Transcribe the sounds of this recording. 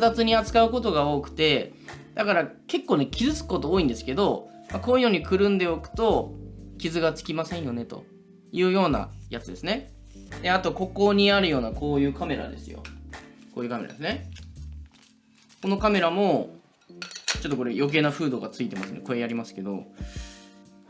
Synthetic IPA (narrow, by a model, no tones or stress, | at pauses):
zat͡sɨɲ̟iat͡sɨ̥kaɯ̟ko̞t̪o̞ɡao̞ːkɯ̟̥t̪e̞d̪̥akaɾake̞kːo̞ːne̞kʲizɨt͡sɨ̥kkːo̞t̪o̞oːĩnd̪e̞sɨ̥ke̞d̪o̞ | makoːjijoːɲ̟ikɯ̟ɾɯ̟̃nd̪e̞okɯ̟̥t̪o̞kʲizɨɡat͡sɨ̥kʲimasẽ̞ɰ̃jo̞ne̞t̪o̞̰ | jɯ̟ːjo̞ːna̰jat͡sɨd̪e̞sɨne̞ | d̪e̞at̪o̞ko̞ko̞ɲ̟iaɾɯ̟jo̞ːnako̞ːjɯ̟ːkame̞ɾa̰d̪e̞̰sɨjo̞̰ko̞ːjɯ̟kame̞ɾa̰d̪esɨne̞ | ko̞no̞kame̞ɾamo̞ | t͡ɕo̞t̪ːoko̞ɾejo̞k̬e̞ːnaɸɯ̟ːd̪o̞ːɡat͡sɨit̪e̞masɨneko̞e̞jaɾʲimasɨ̥ke̞d̪o̞̰